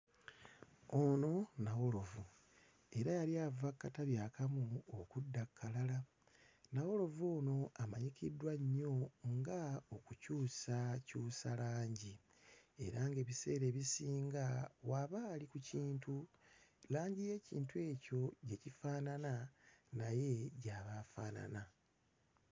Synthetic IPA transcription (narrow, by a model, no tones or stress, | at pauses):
ono̞nawo̞lo̞vu | e̞ɾajaliavakːataβjaːkamuokudːakʰːalala | nawo̞lo̞voːno̞amaɲikidwaɲːo̞ŋɡaokucuːsacuːsalaːɲɟi | e̞̰ɾaŋɡe̞ːβise̞ːɾe̞ːβisiːŋɡawaβaːlikuciːntʰu | laːɲɟije̞ːcḭːntuwe̞ːco̞ɟe̞cifaːnananaje̞ɟaβafa̰ːna̰na